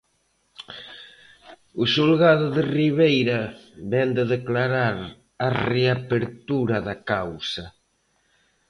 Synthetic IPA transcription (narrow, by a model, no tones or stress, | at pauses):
ʊʃulɣaðʊðɪriβ̞ejɾɐβɛnd̪eðeklaɾaɾ | areapeɾt̪uɾɐðakawsɐ